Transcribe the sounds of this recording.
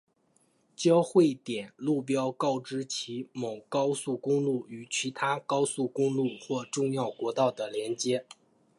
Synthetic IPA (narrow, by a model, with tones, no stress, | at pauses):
t͡ɕjɑ˥ʊxwe˥˩ɪt̪jɛ˨˩nlu˥˩p̬jɑ˥ʊkɑ˥˩ʊʈ͡ʂɻ̩˥t͡ɕʰi˧˥mo˨˩ʊkɑ˥ʊsu˥˩kʊ˥ŋlu˥˩y˨˩t͡ɕʰi˧˥t̪ʰa˥kɑ˥ʊsu˥˩kʊ˥ŋlu˥˩xwɔ˥˧ʈ͡ʂʊ˥˧ŋjɑ˥˩ʊkwɔ˧˥t̪ɑ˥˩ʊd̪ə˩ljɛ˧˥nt͡ɕjɛ˥